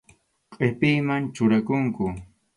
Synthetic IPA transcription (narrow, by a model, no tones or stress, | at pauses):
qʼepɪjmant͡ʃʊɾakʊŋkʊ